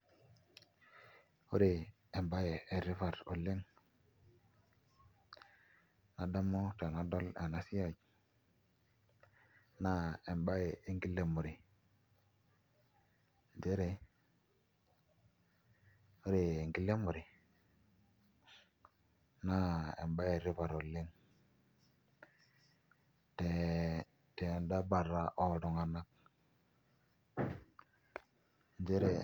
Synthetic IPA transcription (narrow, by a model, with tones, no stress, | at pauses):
o˦ɾe˨ | e˨mba˦je˨e˨ɾi˦fa˨ɾo˨le˦ŋ | na˨da˦mo˦ta˨na˦do˦la˨na˨˦si˦ja˨ɟ | na˦e˨mba˦je˨e˨ŋɡi˦lːe˨mu˨ɾi˨ | n˨de˦ɾe˨˦ | ɾi˨e˨ŋɡi˦le˦mu˨ɾɪ˨ | na˦ḛ˨mba˦e˨ɾɪ˦βa˨ɾo˨lɪ˦ŋ | te˨ | te˨nda˦ba˨ɾa˦ʔɔ˨ɾɔ˨ŋa˨na˦k̚ | n˦d͡ʒe˦ɾe˦